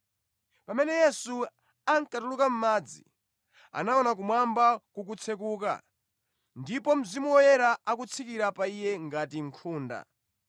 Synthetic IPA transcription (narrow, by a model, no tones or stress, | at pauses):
pamɛnɛjɛsu | aŋkatulukam̩maːd͡zḭ | a̰naɔnak̬umwambakuk̬ut͡sʰɛkuːka̰ | ndipɔm̩zimuwɔjɛɾaak̬ut͡sʰikiɾapaijɛŋɡatiŋkʰuːnda̰